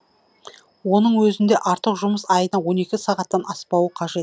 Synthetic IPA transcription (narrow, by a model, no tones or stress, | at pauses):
wo̞nəɴwɵzɪnd̪e̞ʔɑɾt̪əqʒʊməsɑjənɑwo̞ne̞kʲɪsɑʁɑt̪ːɑnɑspɑwəqʰɑʒe̞t̪